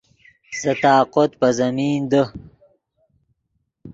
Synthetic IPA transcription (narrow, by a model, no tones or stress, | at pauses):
sɐt̪aːqot̪̚pɐzɐmiːnd̪ə